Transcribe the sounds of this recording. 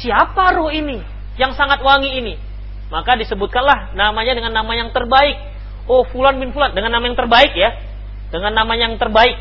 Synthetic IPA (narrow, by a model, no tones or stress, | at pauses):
siapaɾoini | jaŋsaŋat̪̚waŋiːni | makadisəbut̪̚kanlahnamaɲadəŋanːamajaŋt̪ərbaɪk̚ | ohfulanbɪnfulandəŋanːamajaŋt̪ərbaɪk̚ja | dəŋanːamaɲjaŋt̪ərbaɪk̚